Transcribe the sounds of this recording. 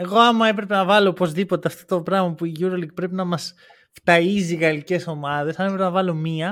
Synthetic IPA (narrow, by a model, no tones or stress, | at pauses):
e̞ɣo̞ɐmɐe̞pɾe̞pe̞nɐvɐlo̞opo̞zðipo̞t̪e̞ɐft̪o̞t̪opɾɐɣmɐpuiʝuɾoliɡ̚pɾe̞pinɐmɐs | ft̪ɐiziɣɐlice̞so̞mɐðe̞sɐmepɾepenɐvɐlo̞miɐ